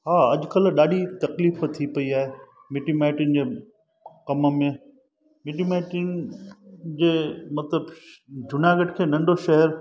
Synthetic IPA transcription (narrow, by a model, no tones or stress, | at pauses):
ɦaːɐʄʊkɐlɗaːɗit̪ɐkliːft̪ʰipɐiaːɦeː | mɪʈimaːɪʈɪnd͡ʑeː | kɐməmẽ | mɪʈimaːɪʈɪn | d͡ʑeːmɐt̪ləbd͡ʑʱʊnaːɡəʈkʰeːnɐ̃ɳɖʱoʃɐɦəɾ